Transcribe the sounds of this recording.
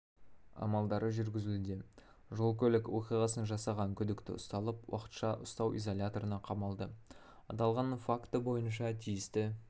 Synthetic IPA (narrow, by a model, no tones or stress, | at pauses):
ɑ̰mɑlˠd̪ɑɾəʒʏɾɡʲɪzɪld̪e | ʒo̞lˠkʲʰɵlɪkwo̞qijʁɑsənʒɑsɑʁɑŋkʲʰʏd̪ɪkt̪ɪ̰ʊst̪ɑlˠəpwɑ̰qə̥t̪ʃɑʔʊst̪ɑwʔḭzolʲat̪o̞ɾənɑqʰɑmɑlˠd̪ə | ɑt̪ɑlˠʁɑnfakt̪əbo̞jənʃ̬ɑt̪ʰijɪst̪ɪ